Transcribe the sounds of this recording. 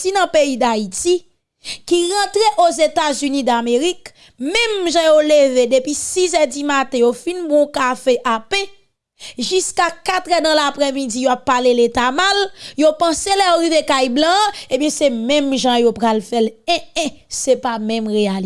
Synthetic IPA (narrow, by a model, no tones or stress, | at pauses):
tinɐ̃peid̪aiti | kiɣɐ̃t̪ɣeʔozet̪azynĩd̪ameɣik | mɛ̃mʒãjoleved̪epɥisizɛdimat̪ɛ̃jofĩnbɔ̃kafeʔapɛ̃ | ʒyskakat̪ɣɛd̪ɐ̃lapɣemid͡zijoapːaleletamaljopʌ̃selɛjoɣivekajblʌ̃ebjɛ̃semɛ̃mʒãjopɣalfɛlɛ̃ɛ̃sepamɛ̃mɣeal